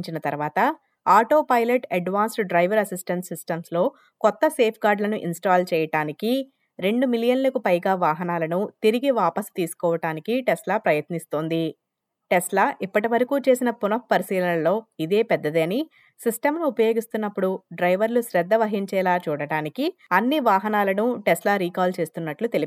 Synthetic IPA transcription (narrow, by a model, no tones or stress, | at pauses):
ɲt͡ʃinɐt̪ɐɾʋaːt̪ɐ | aːʈo̞ːpɐjlɐʈɐɖʋaːnsʈɖɾɐjʋɐɾɐsisʈɐnʈsisʈɐmslo̞ː | kɔt̪ːɐse̞ːpʰɡaːɾɖlɐnuʔinsʈaːlt͡ʃɛːjɐʈaːniki | ɾe̞ɳɖumilijɐnlɐkupɐjɡaːʋaːɦɐnaːlɐnut̪iɾiɡiʋaːpɐst̪iːsu̥kɔːʋɐʈaːnikiʈɛslaːpɾɐjɐt̪nist̪oːnd̪i | ʈeslaʔipːɐʈiʋɐɾɐkuːt͡ʃe̞ːsinɐpunɐp̚pɐɾisiːlɐnɐlo̞ːid̪e̞ːpɛd̪ːɐd̪eːni | sisʈɐmnuupɐjo̞ːɡist̪unːɐpːuɽuɖɾɐjʋɐɾluʃɾɛd̪ːɐʋɐɦiɲt͡ʃɛːlaːt͡ʃuːɽɐɽaːnikiɐnːiʋaːɦɐnaːlɐnuʈɛslaːɾiːkaːlt͡ʃe̞ːst̪unːɐʈlut̪eli